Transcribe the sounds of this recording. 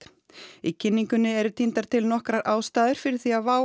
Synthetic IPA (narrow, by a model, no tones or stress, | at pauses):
t̪ | icʰɪnːiŋkʏnːɪɛɾʏt̪ʰint̪aɾ̥t̪ʰɪlnɔhkɾaɾʔaːwst̪aːðʏɾ̥fɪɾɪɾ̥θiavaː